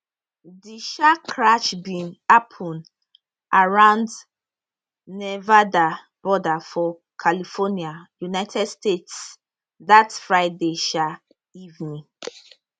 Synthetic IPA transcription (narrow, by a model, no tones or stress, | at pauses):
diʃakʰɹaʃbĩnapʰũn | ʔaɹãʊ̃nd | nɛvada | b̥ɔdafɔ | kʰalifɔniajunaɪtʰɛdstets | datfɹaɪdeʃa | ivnĩ